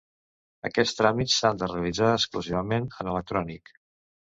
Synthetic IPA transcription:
ə̰kɛst̪ɾamitsand̪əreəlid͡zaəskluziβəmenənələk̚t̪ɾɔnik

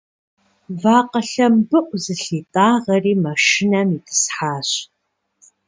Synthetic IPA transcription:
vaːqɐɬɐmbɨʔʷʊzɨɬiːtʼaːʁɐriːmɐʃɪnɐmitʰɨ̥sħaːɕ

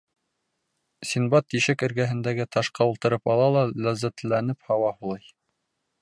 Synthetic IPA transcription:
sinbɑt̪ːiʃɘkɘ̆ɾɡæɦɘ̆nd̪æɡɘt̪ɑʃqɑulˠt̪ɤ̆ɾɤpɑlˠɑlˠɑlæzæt̪lænɘphɑwɑhulˠɑj

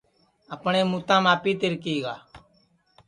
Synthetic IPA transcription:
əpɳeːmuːt̪ãːmaːpiːt̪ɪɾkiːɡaː

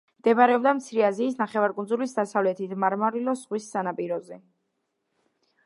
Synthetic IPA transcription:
md̪̥ɛbaɾɛɔbd̪amt̪sʰiɾɛaziːsnaχɛvaɾkʼund̪zulisd̪asavlɛt̪ʰit̪ʰmaɾmaɾilɔsʁwisːanapʼiɾɔzɛ

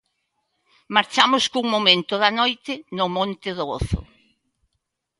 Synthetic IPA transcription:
maɾt͡ʃamʊskuŋmomẽnt̪ʊðɐnojt̪ɪnʊmõnt̪ɪðoɣoθʊ̰

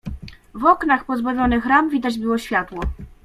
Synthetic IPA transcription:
vɔknaxpɔzbavʲɔnɘxɾamvʲid̪ad͡ʑbɘwɔɕfʲjat̪wɔ

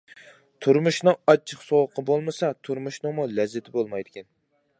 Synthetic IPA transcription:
t̪ʰuɾmuʃnɨŋɑt͡ʃʰːəχsowəqʰəbolˠmɨsɑt̪ʰuɾmuʃnɨŋmulɛzːɪt̪ʰɪbolˠmɑjd̪ɪkʲʰɛn

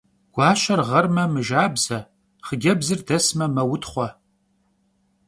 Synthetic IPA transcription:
ɡ̥ʷɑːʃɐrʁɐrmɐmɨʒaːbz̥ɐ | χəɡʲɐbzɨrdɐsmɐmɐwʊtχʷɔ

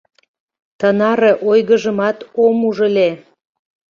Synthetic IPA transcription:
t̪ənɑɾĕʔojɣə̆ʒə̆mɑt̪omuʒəle

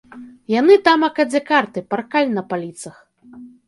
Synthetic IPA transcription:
janɨt̪amɐkɐd͡zʲakart̪ɨparkalʲinɐpalʲit̪sɐx

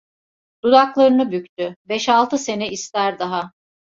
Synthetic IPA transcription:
d̪̥ud̪aklˠaɾɯnɯbykt̪ʰybɛʃalˠt̪ʰɯse̞nɛist̪æɾd̪aɦa

